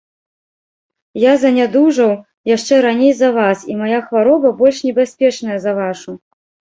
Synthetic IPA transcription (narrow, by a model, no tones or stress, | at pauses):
jazɐnʲad̪uʐɐw | jaʂt͡ʂɛɾanʲejzɐvasimajaxvaɾɔbɐbɔlʲʂnʲɛbʲasʲpʲɛt͡ʂnɐjɐzɐvaʂu